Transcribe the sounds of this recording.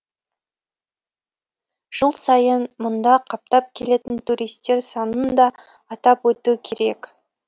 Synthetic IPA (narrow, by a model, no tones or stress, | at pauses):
ʒ̥əlˠsɑjənmʊnd̪ɑqʰɑp̚t̪ɑp̚kʲʰe̞le̞t̪ɪnt̪ʰuɾijst̪e̞ɾsɑnənd̪ɑː | t̪ɑpwɵt̪ukʲʰe̞ɾe̞k